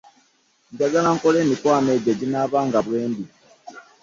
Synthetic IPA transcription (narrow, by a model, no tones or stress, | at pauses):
ɲɟaɡalaŋkole̞ːmikwaːmeːɟaɟinaːβaːŋɡaβwe̞ːnbi